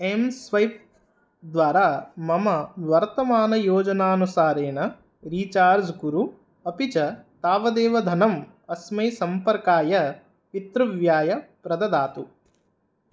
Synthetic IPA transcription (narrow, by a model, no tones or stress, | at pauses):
emsʋɐjp̚ | d̪ʋaːɾaːmɐmɐʋɐɾt̪ɐmaːnɐjoːd͡ʒɐnaːnusaːɾeːnɐ | ɾiːt͡ʃaːɾd͡ʒɡuɾu | ɐpit͡ʃɐt̪aːʋɐd̪eːʋɐd̪ʱɐnɐm | ɐsmɐjsɐmpɐɾkaːjɐ | it̪ɾɐʋjaːjɐpɾɐd̪ɐd̪aːt̪u